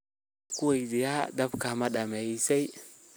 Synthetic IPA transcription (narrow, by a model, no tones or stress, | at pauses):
kuwaidijadabkamaɗamajisej